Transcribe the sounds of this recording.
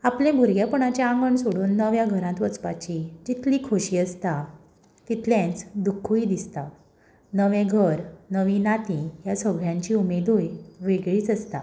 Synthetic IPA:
aplẽbʱuɾɡjapəɳ̃at͡ɕjaãŋɡəɳsoɽuːnːəʋjaɡʱəɾãt̪ʋət͡spat͡ɕid͡ʑit̪ʰliːkʰoɕiːəst̪a | t̪it̪ʰljẽnt͡sd̪ukʰːuid̪ist̪a | nəʋẽɡʱəɾnəʋinat̪ĩjasəɡʱɭjãɲt͡ɕiːumed̪ojʋeɡɭiːt͡səst̪a̰

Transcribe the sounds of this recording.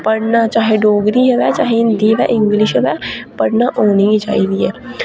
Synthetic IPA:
pəɽnat͡ʃaːɦeɖoːɡɾiɦɛʋɛːt͡ʃaːɦeɪnd̪iʋɛ̰ʔɪ̃ŋɡlɪʃʋɛpəɽnaʔoːnit͡ʃa̰ːid̪iɦɛː

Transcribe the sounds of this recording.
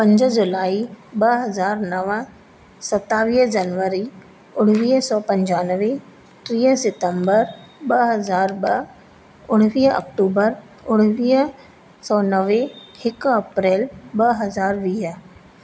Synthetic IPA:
pɐ̃ɲd͡ʒd͡ʒʊlaːibɐɦɐzaːɾnɐʋə̃ | sɐt̪ːaːʋiːɦd͡ʒɐnʋəɾi | ʊɽ̃ʋiːɦsɔːpɐ̃ɲd͡ʑaːnʋe | ʈ̪ɾiːəsɪʈəmbəɾbɐɦɐzaːɾbɐ | ʊɽ̃ʋiːɦɐ̰k̚ʈuːbəɾ | ʊɽ̃ʋiːɦ | sɔːnəʋehɪkɐpɾɛːlbɐɦɐzaːɾʋiːɦə

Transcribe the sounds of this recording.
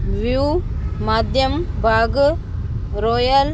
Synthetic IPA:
ʋumaːd̪ʱjɐmbʱaːɡ | ɾoːjɐl

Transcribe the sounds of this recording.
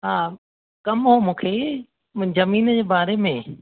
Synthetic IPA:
ɦaː | kɐmɦoːmũːkʰeː | zɐmiːnəd͡ʑeːbaːɾemẽ

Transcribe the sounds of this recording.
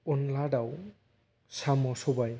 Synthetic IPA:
ɔnlaɖaw | samɔsɔbaj

